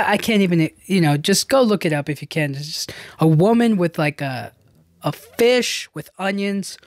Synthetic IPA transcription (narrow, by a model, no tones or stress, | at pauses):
ʔaɪkʰæ̃ntivɨ̃njɨnoʊd͡ʒʌsɡ̥oʊlʊkɨɾʌpɨfjɨkʰɨ̃nd͡ʒd͡ʒʌstəwʊmɨ̃nwɪð̥laɪkə | əfɪʃwɨðʌ̃njɨ̃nz̥